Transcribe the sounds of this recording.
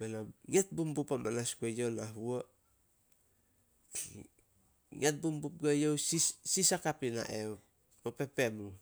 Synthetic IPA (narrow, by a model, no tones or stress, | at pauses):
benaŋet̚bumbupamanaskuejonaɦuo | ŋet̚bumbup̚ɡajowsisisakapina̰ʔew | kope̞pe̞mu